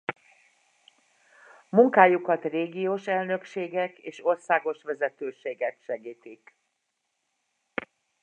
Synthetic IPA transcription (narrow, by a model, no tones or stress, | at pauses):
muŋkaːjukɒt̪reːɡijoːʃɛlnø̞kʃeːɡɛkeːʃo̞rsaːɡo̞ʃʋɛzɛt̪øːʃeːɡɛkʃɛɡiːt̪ik